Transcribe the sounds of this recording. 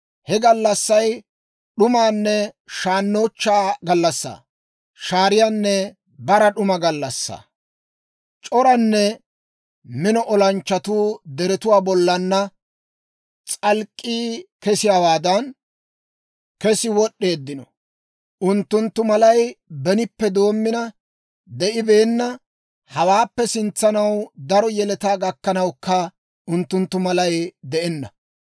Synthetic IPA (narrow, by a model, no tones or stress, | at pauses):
hɛɡɐlːɐsːɐj | ɗʊmaːnːɛʃaːnːo̞ːt͡ʃːaːɡɐlːɐsːa̰ː | ʃaːɾɪjaːnːɛ | bɐɾɐɗʊmɐɡɐlːɐsːa̰ | t͡ʃʼɔɾɐnːɛ | mɪnɔʔɔlɐnt͡ʃːɐt̪uːd̪ɛɾɛt̪ʊwaːbɔlːɐnːɐ | t͡sʼɐlkʼːiːkɛsɪjaːwaːd̪ɐn | kɛsɪwɔɗːe̞ːd̪ːɪnɔ | ʊnt̪ːʊnt̪ːʊmɐlɐjbɛnɪpːɛd̪o̞ːmːɪnɐ | d̪ɛʔɪbe̞ːnːɐ | hɐwaːpːɛsɪnt͡sːɐnɐwd̪ɐɾɔjɛlɛt̪aːɡɐkːɐnɐwkːɐ | ʊnt̪ːʊnt̪ːʊmɐlɐjd̪ɛʔɛnːɐ